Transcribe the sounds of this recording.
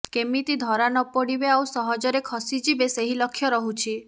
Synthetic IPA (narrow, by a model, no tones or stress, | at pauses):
kemit̪id̪ʱɔɾanɔpɔɽibeawsɔɦɔd͡ʒɔɾekʰɔsid͡ʒibeseɦilɔkʰːjɔɾɔɦut͡ʃʰi